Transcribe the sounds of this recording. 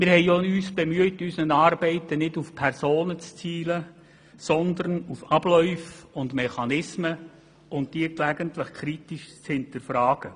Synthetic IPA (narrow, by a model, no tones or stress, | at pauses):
mɪɾhɛɪoyːsb̥ɛmyətysnənɑːɾbɛɪtənɪdufpʰɛrsoːnət͡st͡siːlə | sɔnd̪ərnufɑb̥lœʏfʊndmɛχɑnɪsmə | ʊnt̚d̥iːklæɡəntlɪχkʰɾitiʃt͡shɪntəɾfɾɑːɡ̥ə